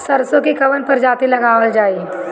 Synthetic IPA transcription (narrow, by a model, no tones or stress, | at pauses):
sɐɾsõkikɐʋənpɐɾd͡ʒaːt̪ilɐɡaːʋəld͡ʒaːiː